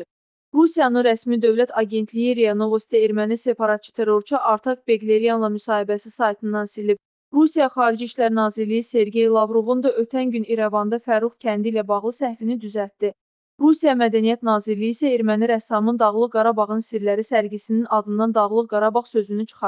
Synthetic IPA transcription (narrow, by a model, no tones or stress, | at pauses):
ɾusijɑnɯnɾæsmid̪ø̞vlæt̪ʰɑɡʲe̞nt̪ʰlijiɾeano̞vost̪eeɾmænise̞pɑɾɑt̪̚t͡ʃʰi̥t̪ʰe̞ɾo̞ɾt͡ʃʰiʔɑɾt̪ʰɑk̚beɡleɾijanlˠɑmysɑːhibæsisɑjt̪ʰɯnːɑnsilib̚ | ɾusijɑχɑːɾid͡ʒiʃlæɾnɑːziɾlijise̞ɾɡe̞jlˠɑvɾo̞vund̪ɑʔøt̪ʰænɟyniɾævɑnd̪ɑfæɾuχcʰænd̪ilæbɑʁlˠɯsæhfinid̪yzælt̪d̪i | ɾusijɑmæd̪ænijæt̪nɑːziɾlːijiːsæeɾmæniɾæsɑmɯnd̪ɑɣlˠɯqɡɑɾɑbɑʁɯnsiɾlæɾisælɡisininɑd̪ɯnd̪ɑnd̪ɑɣlˠɯqɡɑɾɑbɑʁsø̞zynyt͡ʃʰɯ̥χɑ